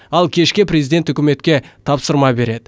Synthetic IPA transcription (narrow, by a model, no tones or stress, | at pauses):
ɑlˠkʲʰe̞ʃkʲɪprʲezid̪e̞nt̪ɵkʲɪme̞t̪kʲe̞t̪ʰɑpsəɾmɑbe̞ɾe̞d̪ɪ